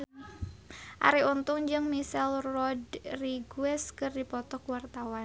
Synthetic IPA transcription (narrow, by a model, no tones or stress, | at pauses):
ʔa̰ɾiunt̪ʊŋd͡ʒɨŋmisɛlrɔdriɡuɛskɨrdipɔt̪ɔkwart̪awan